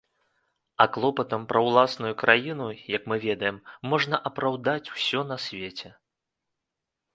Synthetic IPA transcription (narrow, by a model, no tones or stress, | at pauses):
ɐklˠɔpɐt̪ɐmpɾɐwlˠasnujukɾʔajinujɐkmɨvʲɛd̪ɐjɛmːɔʐnɐʔɐpɾawd̪at͡sʲw̥sʲɔn̪ɐsʲvʲet͡sʲɛ